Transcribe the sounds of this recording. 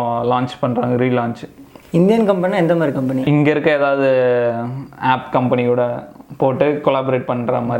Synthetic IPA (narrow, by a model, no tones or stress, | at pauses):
laːɲt͡ʃpɐɳːɾaːŋɡɐɾiːlaːɲt͡ʃ | ɪnd̪ijɐnkɐmpɐnĩɛnd̪ɐmaːd̪ɾikɐmpɐniɪŋɡɐɪɾɯkːɐ̃eːðaːʋɐðɯ | aːpkɐmpɐnɪkuːɽɐpoːʈːɯkɔlaːbɔɾeːʈ̚pɐɳːɾɐmaː